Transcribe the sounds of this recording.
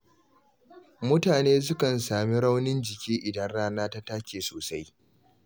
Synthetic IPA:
mʊ˦taː˨neː˦s̬ʊ˦kɐ˨nsaː˨mi˦ɾa˦wnɪ˦nd͡ʒɪ˨kʲiː˦ʔɪ˨dɐ˦nɽaː˦naː˦ta˦ta˦kʲeː˨soː˨sa˦j

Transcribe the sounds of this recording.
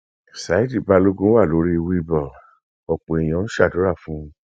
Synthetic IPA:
sa˨˦i˦di˦˨ba˧lo˦ɡũ˦wa˦˨lo˨˦ɾi˦i˧wi˦i˧bɔ˨ | ɔ˨k͡pẽ˨i˨j̃ã˨˦n̩˦ʃa˦˨do˨˦ɾa˦˨fũ˨˦

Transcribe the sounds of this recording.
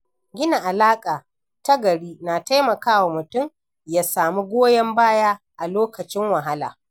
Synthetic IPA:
ɡʲɪ˦na˨ʔa˨laː˦kʼaː˨ | ta˦ɡɐ˨ɽiː˦naː˨ta˦jmɐ˨kaː˦wa˨mʊ˨tʊ˦˨m | jaː˦saː˨mi˦ɡʷoː˦jɐ˦mbaː˦jaː˦ | ʔa˨loː˦kɐ˨t͡ʃɪ˦ŋwɐ˨ɦa˦la̰ː˨

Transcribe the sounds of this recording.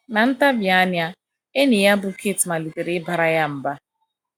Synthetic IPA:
na˨n̩˦ta˦bja˦ɲ˦a˦ | e˦ne˨ja˦bu˦kʰe˦˨ti˨ma˨li˨ke˨ɾe˨˦ba˨ɾa˦ja˦m̩˨ba˦

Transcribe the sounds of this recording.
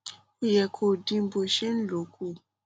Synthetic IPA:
o˦jɛ˨kʰo˦˨dĩ˧m̩˦bo˨ʃe˦n̩˦lo˨˦ku˦˨

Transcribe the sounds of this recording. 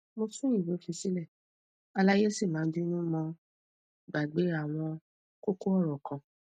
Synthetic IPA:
mo˧sũ˦j̃ĩ˦˨bo˨˦fi˧si˦lɛ˦˨ | a˧la˦je˦si˦˨mãː˨˦n˦du˦nũ˦mɔ̃˧ | ɡ͡ba˨ɡ͡be˨˦a˦˨w̃ɔ̃˧ | ko˦ko˦ɔ˦˨ɾɔ˨kã˧

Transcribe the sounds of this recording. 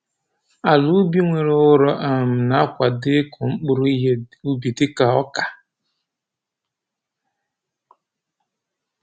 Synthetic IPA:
a˨lu˦bi˦ŋʷe˨ɾe˨˦ʊ˦ɾɔ˦ʔa˨m̩˨na˦kʷa˨dɪ˦kʰʊ˨ŋ͡m̩˦k͡pʊ˦ɾi˦ɦe˦u˦bi˨tɪ˦ka˨ɔ˦ka˨

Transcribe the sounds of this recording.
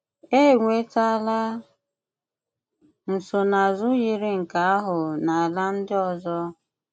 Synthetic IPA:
e˦˨ŋʷe˨˦ta˦la˦ | n̩˨so˨na˨zʊ˦ɣi˦ɾɪ˦ŋ̩˨ka˨a˦ɦʊ˨na˨a˨la˦n̩˦dɪ˦ɔ˨zɔ˦

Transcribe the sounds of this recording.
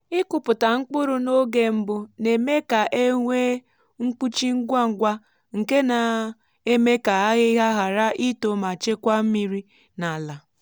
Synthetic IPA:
ɪ˦kʊ˨pʊ˨ta˨ŋ̩˦k͡pʊ˦ɾʊ˦no˦ɡe˦m̩˦bʊ˦ne˨me˦ka˨ʔe˦ŋʷe˦ | ŋ̩˦k͡pu˦t͡ʃi˦ŋ̩˦ɡʷa˦ŋ̩˨ɡʷa˦ | ŋ̩˨ke˦na˨ | e˦me˦ka˨a˦ɣɪ˦ɦa˦ɦa˨ɾa˦ʔi˦to˨ma˨t͡ʃe˦kʷa˦m̩˦mi˦ɾi˦ | na˨la˨

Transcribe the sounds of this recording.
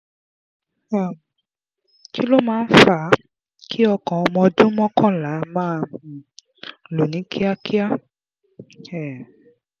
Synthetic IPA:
a˨ | ki˦lo˦mãː˦˧˦fa˧˦ | kʰi˦ɔ˧kɔ̃˨ɔ˧mɔ̃˧dũ˦mɔ̃˦kʰɔ̃˦la˨˦mãː˦˨ | lu˨nĩ˨˦kʰi˦a˦kʰi˦a˦ | ɛ˨

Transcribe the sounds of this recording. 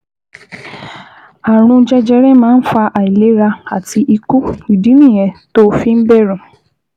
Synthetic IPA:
a˨ɾ̃ũ˧d͡ʒɛ˧d͡ʒɛ˧ɾɛ˦mãː˦n̩˦fa˧ʔa˨i˨le˨˦ɾa˧a˨ti˧ʔi˧ku˦i˨dĩ˨˦mĩ˦˨jɛ̃˨˧to˦fi˦n̩˦bɛ˦˨ɾũ˨

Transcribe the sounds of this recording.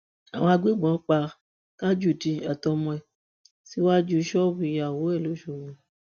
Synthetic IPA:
a˨w̃ɔ̃˧a˧ɡ͡bi˦˨ɡ͡bɔ̃˨˦k͡pa˧ | ka˦d͡ʒu˦˨ti˧a˨tɔ˧mɔ̃˧ɛ˨ | si˦wa˦d͡ʒu˦˧ʃɔ˦bĩ˧˦a˨wo˨˦ɛ˦˨lo˨˦ʃo˧˨ɾũ˧˨

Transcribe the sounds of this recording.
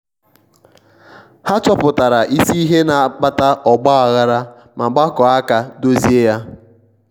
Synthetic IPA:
ha˦t͡ʃɔ˦pʊ˨ta˨ɾa˨ʔi˦si˦i˦ɦe˦na˨k͡pa˦ta˦ʔɔ˨ɡ͡bɔ˦a˨ɣa˦ɾa˦ | ma˨ɡ͡ba˦kɔ˨a˦ka˨do˦zi˦e˦ja˦

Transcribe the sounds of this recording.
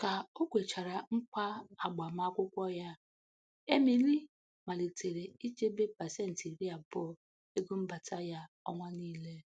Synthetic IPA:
ka˨o˦kʷe˨t͡ʃa˨ɾa˨ŋ͡m̩˦k͡pa˦a˨ɡ͡ba˨ma˦a˦kʷʊ˦kʷɔ˦ja˦ | e˦mi˨li˦ | ma˨le˨te˨ɾe˨i˦t͡ʃe˦be˦pa˨se˦˨n̩˨ti˨ɾi˦a˨bɔ˦ | e˦ɡu˦m̩˦ba˨tʰa˦ja˦ | ɔ̰˦ŋʷa˦niː˦le˦

